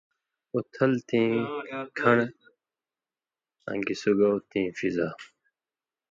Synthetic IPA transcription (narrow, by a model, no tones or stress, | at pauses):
ot̪ʰɐlt̪ʰĩːkʰɐɳ | ã̰ŋɡisuɡawt̪ĩːfizaː